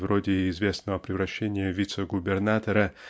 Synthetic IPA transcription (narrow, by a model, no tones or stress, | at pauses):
vɾodʲɪɪzvʲe̞snəvəpɾʲɪvɾɐɕːenʲɪjəvʲit̪səɡʊbʲɪrnat̪əɾə